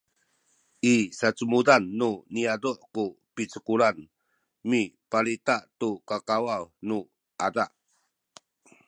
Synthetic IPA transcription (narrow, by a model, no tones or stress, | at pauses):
ʔisat͡sumudanːuniaduʔkupit͡səkuɾan | mipalit̪aʔtukakawawnu | ʔadaʔ